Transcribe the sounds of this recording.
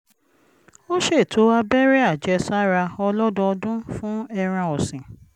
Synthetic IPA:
o˦ʃe˦˨tʰo˨˦a˧bɛ˦ɾi˦a˦˨d͡ʒɛ˨˧˦sa˦ɾa˧ɔ˧lɔ˦dɔ˧ɔ˧dũ˦fũ˦ɛ˧ɾ̃ã˧ɔ˨sĩ˨

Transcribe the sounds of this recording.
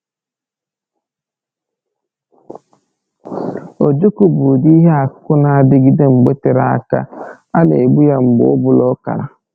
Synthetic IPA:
o˨d͡ʒu˦ku˨bʊ˨di˦ɦe˦a˨ʊ˦kʊ˦na˨a˨dɪ˦ɡi˦de˦ŋ͡m̩˨ɡ͡be˦te˦ɾa˦˨a̰˦ka̰˦ | a˦nḛ˨e˨ɡ͡bu˦ja˦ŋ͡m̩˨ɡ͡bʊ̰˨ʊ˦bʊ˨lɔ˦ka̰˨ɾa˨

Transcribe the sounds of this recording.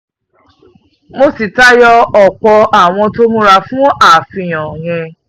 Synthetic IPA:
mo˧si˨ta˦jɔ˦ɔ˨k͡pɔ˧a˨w̃ɔ̃˧to˦mũ˦ɾa˧fũ˦a˦˨fĩ˧˨j̃ɔ̃˨j̃ɛ̃˧

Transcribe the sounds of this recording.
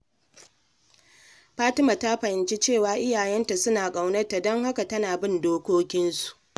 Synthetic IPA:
ɸaː˦tɪ˦ma˨ta˦ɸɐ˨hɪ˨nt͡ʃe˦t͡ʃeː˦˨waː˨ʔɪ˦jaː˨jɛ˦nta˨sʊ˦naː˨kʼa˨wnɐ˦rta˨dɔ˦ŋɦa˦ka˨tɐ˦naː˨bɪ˦˨ndoː˦kʷoː˦kʲɪ˦nsu̥˨ʔ

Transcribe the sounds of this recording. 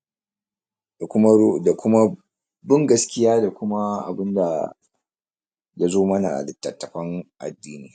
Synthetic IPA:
ʊ˦da˨kʷʊ˦ma˦ | bɪ˦ŋɡɐ˦skʲɪ˦jaː˦da˨kʷʊ˦ma˦ʔa̰˨bɪ˦nda̰˨ | ja˦zoː˦mɐ˦na̰˨ʔa̰˨lɪ˨tːɐ˨tːɐ˨ɸɐ˦ŋʔa̰˨dːiː˦niː˦˨

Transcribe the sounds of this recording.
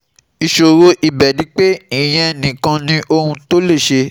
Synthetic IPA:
i˨ʃo˨ɾo˧ʔi˨bɛ˨dĩ˨˦k͡pe˦i˦˨j̃ɛ̃˧˨nĩ˨kã˧nĩ˧˦ʔo˧hũ˧to˦le˦˨ʃe˧

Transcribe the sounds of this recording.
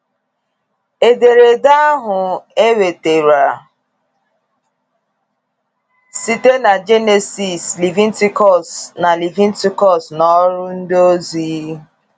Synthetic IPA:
e˨de˨ɾe˨da˦a˦ɦʊ˨e˦we˨te˨ɾa˨ | si˦te˦na˨d͡ʒe˦ne˨si˨sli˨vi˦n̩˦ti˦kɔ˦˨sna˨li˨vi˦n̩˦ti˦kɔ˦snɔ˦ɾʊ˦n̩˦do˦zi˨˦

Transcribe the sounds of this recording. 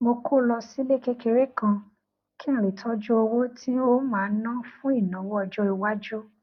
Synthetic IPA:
mo˧kʰo˦˨lɔ˧si˦le˦ke˧ke˧ɾe˦kã˧ | kĩ˦˨ɾi˨tʰɔ˦d͡ʒu˦o˧wo˦tʰi˦o˦mãː˨˦nã˦fũ˦i˦˨nã˨˦wɔ˦ɔ˧˨d͡ʒɔ˦i˧wa˦d͡ʒu˦

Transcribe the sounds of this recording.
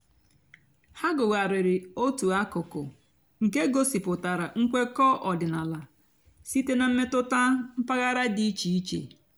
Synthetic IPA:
ha˦ɡʊ˨ɣa˨ɾɪ˨ɾɪ˨o˦tu˨a˦kʊ˨kʊ˨ | ŋ̩˨ke˦ɡo˦si˨pʊ˨ta˨ɾa˨ŋ̩˦kʷe˦kɔ˦ʔɔ˨dɪ˨na˨la˨ | si˦te˦na˨m̩˦me˦tʊ˦ta˦m̩˦pa˦ɣa˦ɾa˦di˦i˦t͡ʃi˨i˦t͡ʃḛ˨

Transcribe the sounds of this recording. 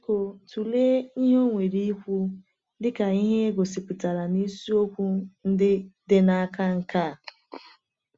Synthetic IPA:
ko˨tu˨le˦i˦ɦo˦ŋʷe˨ɾi˦i˦kʷu˦ | dɪ˦ka˨i˦ɦe˦ɡo˨si˨k͡pi˨ta˨ɾa˨ni˦su˦o˦kʷu˦n̩˦dɪ˦dɪ˦na˦ka˦ŋ̩˨˦ka˦˨

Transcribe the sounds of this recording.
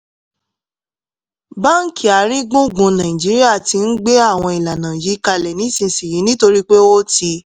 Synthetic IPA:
ba˦˨ŋ̩˦ki˨a˨˦ɾĩ˦ɡũ˦˨ɡũ˧nã˨ĩ˨d͡ʒi˨˦ɾi˦a˦˨ti˧n̩˦ɡ͡be˦a˦˨w̃ɔ̃˧i˨la˨nã˨ji˨˦ka˧lɛ˨nĩ˨˦sĩ˧˨si˨ji˨˦nĩ˦to˧ɾi˦k͡pe˦wo˦ti˧

